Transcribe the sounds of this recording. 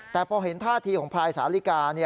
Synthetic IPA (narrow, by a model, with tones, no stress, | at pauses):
t̪ɛː˨˩pʰɔː˧ɦe˩˦nt̪ʰaː˥˩t̪ʰiː˧kʰɔː˩˦ŋpʰɾaː˧jsaː˩˦li˦˥˩kaː˧ni˥˩ɐ